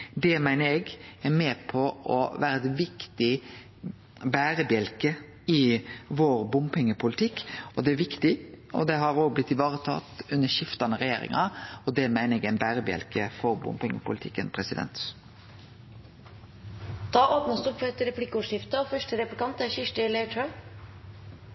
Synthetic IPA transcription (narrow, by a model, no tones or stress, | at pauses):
d̪ɛmæɪnəɾɛɡɛmɛːpʰɔɔʋæːɾəɛt̪ʋɪkt̪ɪ | bæːɾəbjɛlkə | ɪʋoːɾbʊmpɪŋːəpʰʊlɪt̪ʰɪkːɔd̪ɛæɾʋɪkt̪ɪ | ɔ̰d̪ɛɦɑɾoːɡ̚blɪt̪ːɪʋɑːɾət̪ʰɑ̰ːt̪ʉnːəʃɪft̪ɑnəɾɛjḛːɾɪ̰ŋɑɔd̪ɛmæɪnəɛɡæɪnbæːɾəbjɛ̰lkəfɔɾbʊ̰mpɪŋəpʊ̰lɪt̪ʰɪkːənpʰɾɛsɪd̪ɛ̰nt̪ | d̪̥ɑːʔoːpnəst̪ʊpfɔɛt̪ːəɾɛpʰlɪkːəʊːʂjɪft̪əɔfœʂʈəɾɛplɪkʰɑnt̪æʃɪʂʈəlɛɪʈʰɾœm